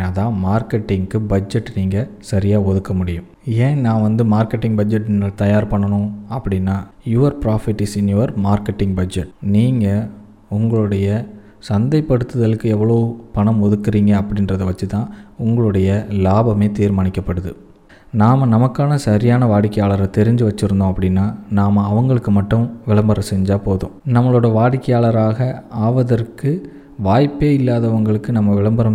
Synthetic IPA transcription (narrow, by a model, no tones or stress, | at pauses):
ɐðãːmaːɾkɛʈːɪŋkːɯbɐd͡ʒɛʈːniːŋɡɐsɐɾɪjaːɔðɯkːɐmʊɽɪjʊ̃ | ẽːnãːʋɐnd̪ɯmaːɾkɛʈːɪŋɡbɐd͡ʒɛʈːnɪŋɐt̪ɐjaːɾpɐɳːɐnʊ̃ɐpːɐɽɪnːaːjuːʋɐɾpɾaːfɪʈːɪsɪnjuːʋɐɾmaːɾkːɛʈːɪŋɡbɐd͡ʒɛʈniːŋɡɐ | ʊŋɡɐɭɯɽɐjɐ | sɐnd̪ɐɪpːɐɽɯt̪ːɯðɐlɯkːɯɛʋːɐɭɐʋpɐɳɐmɔðɯkːɯɾiːŋɡɐɐpːɐɽɪnɾɐðɐʋɐt͡ʃːɯt̪ãːʊŋɡɐɭɯɽɐjɐlaːbɐmeːt̪iːɾmaːɳɪkːɐpːɐɽɯðɯ̰ | naːmɐnɐmɐkːaːnɐsɐɾɪjaːnɐʋaːɽɪkːɐjaːɭɐɾɐt̪ɛɾɪɲd͡ʒɯʋɐt͡ʃːɪɾɯnd̪õːɐpːɐɽɪnːaːnaːmɐɐʋɐŋɡɐɭɯkːɯmɐʈːɯ̃ʋɪɭɐmbɐɾɐsɛɲd͡ʒaːpoːðʊ̰̃ːnɐmːɐɭoːɽɐʋaːɽɪkːɐjaːɭɐɾaːɣɐaːʋɐðɐɾkɯ | ʋaːjpːeːɪlːaːðɐʋɐŋɡɐɭɯkːɯnɐmːɐʋɪɭɐmbɐɾɐm